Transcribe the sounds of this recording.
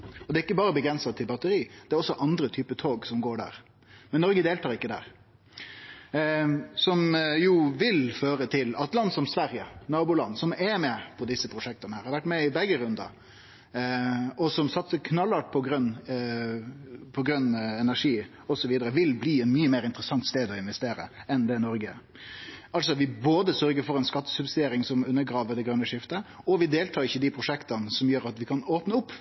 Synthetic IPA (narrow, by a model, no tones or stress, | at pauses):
ɔd̪ɛːɪkːəbɑːɾəbəɡɾɛnsɑt̪ʰːɪlbɑt̪əɾiːd̪̥ɛɾɔsːɔʔɑnd̪ɾət̪ʰyːpət̪ʰoːɡsɔmɡoːɖæ̰ːɾ | mɛnːɔɾɡəd̪eːlt̪ʰɑːɾɪkːəd̪æ̰ːɾ | sɔmjuːʋɪlføːɾət̪ʰɪlɑ̰t̪lɑnːsɔmsʋæɾjənɑːbʊlɑ̰nːsɔmɛmɛpʰɔd̪ɪsːəpʰɾʊʂɛk̚t̪ɑnəhæːɾhɑɾʋæʈːmɛɪbɛɡəɾʉnd̪ɑ̰ | ɔsɔmsɑt̪səɾkʰnɑlːɑʈ̚pʰɔɡɾœnː | pʰɔɡɾœnːɛnæʂiː | ɔsɔʋiːd̪əɾəʋɪlbliːɛnmyːəmeːɾɪnt̪əɾəsɑŋt̪st̪eːd̪ɔɪnʋɛst̪eːɾə̰ɛnd̪ɛnɔɾɡə | ɑlt̪s̬ɔʋɪboːd̪əsœɾɡəɾfɔɾɛnskɑt̪ːə̥sʉbsɪd̪eːɾɪŋsɔmʉnːəɡɾɑːʋəɖɛɡɾœnːəʂɪft̪ə | ɔʋɪd̪eːlt̪ʰɑːɾɪçːəd̪ɪpʰɾʊʂɛkt̪ɑnəsɔmjøːɾɑt̪ʋɪkʰɑnoːpnəʊpː